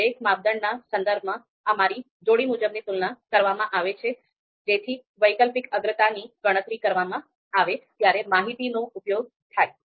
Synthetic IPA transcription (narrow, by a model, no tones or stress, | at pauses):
ekmab̚d̪əɳnasənd̪əɾb̚ʱmã | əmaɾi | d͡ʒoɽimud͡ʒəbnit̪ulnakəɾʋamãʔaʋet͡ʃʰe | d͡ʒet̪ʰi | ʋəjkəlpikəɡ̪ɾət̪aniɡəɽ̃ət̪ɾikəɾʋamã | aʋet̪jaɾemaɦit̪inoʊpjoɡ̚ | t̪ʰaj